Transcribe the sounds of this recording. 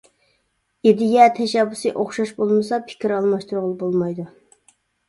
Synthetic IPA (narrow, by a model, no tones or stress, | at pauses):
ed̪ɪjʲɛt̪ʰɛʃɛbːʊsɨʔoχʃɑʃbolˠmɨsɑpʰɪ̥kʲiɾɑlˠmɑʃt̪uɾʁʊlˠɨbolˠmɑjd̪u